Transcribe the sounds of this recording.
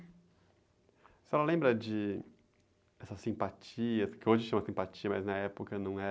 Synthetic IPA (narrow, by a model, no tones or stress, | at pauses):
sɪɛlɐlẽmbɾɐd͡ʒɪ | ɛsɐsĩpat͡ʃiɐkɪoʒɐɪt͡ʃumɐsĩpat͡ʃiɐmɐ̰znɐɛpokɐnɐ̃w̃ɛ